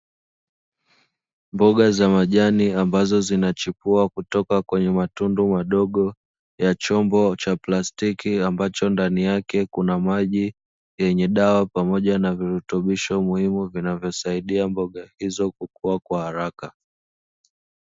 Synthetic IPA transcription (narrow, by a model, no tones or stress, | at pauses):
mbɔɠazamaʄaniambazɔzinat͡ʃipuakutɔkakwɛɲɛmatundumaɗɔɠɔ | jat͡ʃɔmbɔt͡ʃaplastikiambat͡ʃɔndanijakɛkunamaʄi | jɛɲɛɗawapamɔʄanaviɾutuɓiʃɔmuhimuvinavjɔsaiɗiambɔɠahizɔkukuakwahaɾaka